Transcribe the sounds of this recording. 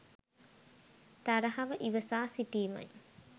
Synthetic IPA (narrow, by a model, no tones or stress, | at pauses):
t̪ɐɾɐɦɐʋɐʔiʋɐsaːsiʈiːmɐ̰j